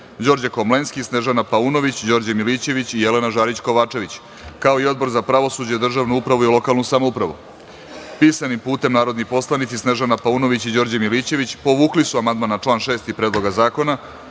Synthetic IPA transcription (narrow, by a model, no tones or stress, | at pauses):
d͡ʑo̞ɾd͡ʑako̞mle̞nskisne̞ʒanapauno̞ʋit͡ɕd͡ʑo̞ːɾd͡ʑamilit͡ɕe̞ʋit͡ɕije̞le̞naʒaːɾit͡ɕko̞ʋaːt͡ʂe̞ʋit͡ɕ | kao̞io̞d̪̚bo̞ɾzapɾaʋo̞sud͡ʑed̪r̩ʒaʋnuupɾaʋuilˠo̞kalˠnusamoupɾaʋṵ | piːsanimpuːt̪e̞mnaːɾo̞d̪nipo̞slˠanit̪sisne̞ʒanapauno̞ʋit͡ɕid͡ʑo̞ːɾd͡ʑamilit͡ɕe̞ʋit͡ɕpo̞ʋuːklisuamand̪maːnat͡ʂlˠaːnʃe̞ːst̪ipɾed̪lˠo̞ɡazaːko̞na